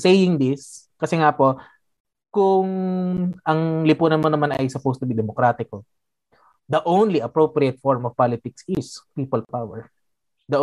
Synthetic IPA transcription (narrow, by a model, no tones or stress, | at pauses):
sejɪŋd̪ɪskɐsɛŋapo̞ʔ | kʊŋ | ʔɐŋlɪpuːnɐnmɐnːɐmanɐ̰jsɐpowst̪ʊbid̪ɛmokɾat̪ɪko | d̪ɐʔõwnliɐpɹopɹiɛt̪̚foɹmɔvpalɪt̪ɪksɪspiːpɐlpawɛɹ | d̪ɐ